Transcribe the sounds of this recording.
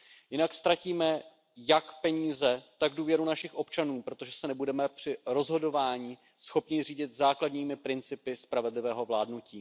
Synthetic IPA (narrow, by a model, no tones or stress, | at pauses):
jɪnakst̪ɾaciːmɛ | jakpɛɲiːzɛt̪aɡduːvjɛɾunaʃɪxʔo̞pt͡ʃanuːpɾo̞t̪o̞ʒɛsɛnɛbudɛmɛpr̝̥ɪɾo̞zɦo̞do̞vaːɲi | sxo̞pɲɪr̝iːɟɪt̪zaːkladɲiːmɪpɾɪnt͡sɪpɪspɾavɛdlɪvɛːɦo̞vlaːdnuciː